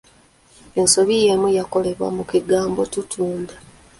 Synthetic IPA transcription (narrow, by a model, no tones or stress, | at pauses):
e̞nso̞βije̞mujako̞le̞βwa̰mukiɡaːmbo̞tutʰuːnda